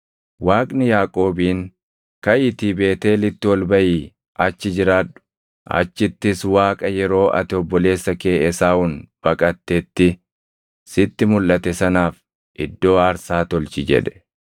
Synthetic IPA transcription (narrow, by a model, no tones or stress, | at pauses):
waːkʼnɪjaːkʼo̞ːbiːn | kɐʔɪt̪ibe̞ːt̪e̞ːlɪt̪ːɪwɔlbɐʔiː | ʔɐt͡ʃːɪd͡ʒɪɾaːᶑʊ̥ | ʔɐ̰t͡ʃːɪt̪ːɪswaːkʼɐjɛɾo̞ːʔɐ̰t̪ɪɔbːɔle̞ːsːɐke̞ːʔɛsaːʊnb̥ɐkʼɐt̪ːɛt̪ːɪ | sɪt̪ːɪmʊlːɐt̪ɛsɐnaːf | ʔɪd̪ːo̞ːɐɾsaːt̪ɔlt͡ʃɪd͡ʒɛ̰ᶑɛ̥